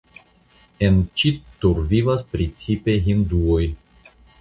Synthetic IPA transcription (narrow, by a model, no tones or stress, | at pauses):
ent͡ʃit̪uɾvivaspɾit͡sipe̞ɦind̪uoj